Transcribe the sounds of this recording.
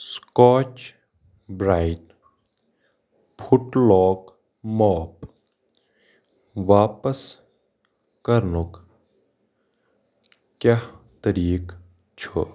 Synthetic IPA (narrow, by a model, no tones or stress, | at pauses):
skɔːt͡ʃ | bɾaːiʈ | pʰʊʈlɔːk | mɔːp | ʋaːpəs | kəɾnuk | kjat̪əɾiːk | t͡ʃʰo